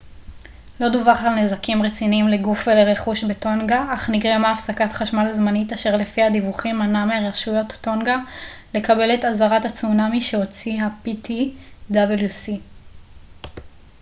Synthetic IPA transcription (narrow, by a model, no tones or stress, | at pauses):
lo̞d̪uvaχalnezakimʁet͡siniimleɡufveleʁeχuʃbeto̞nɡaʔaχniɡʁemaːfsakatχaʃmalazmanitaʃe̞ʁlefiadivuχimanameaʁaʃujo̞tto̞nɡale̞kabe̞le̞tazaʁatat͡sunamiʃe̞o̞t͡siɦapitid̪abeljusi